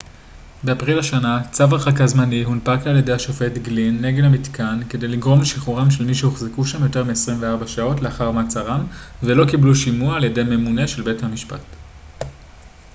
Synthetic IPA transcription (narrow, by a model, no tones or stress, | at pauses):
beapʁilaʃanat͡savaχakazmaniɦunpaklealjedejaʃofe̞tɡlinːe̞ɡelamitkanke̞de̞jliɡʁo̞mleʃiχuʁamʃe̞lmiʃehoχzekuʃamjo̞te̞ʁmiesʁimveaʁbaʃao̞tleaχaʁmat͡saʁamvelo̞kibluʃimuaaːljede̞jme̞mune̞ʃelbe̞thamiʃpa̰t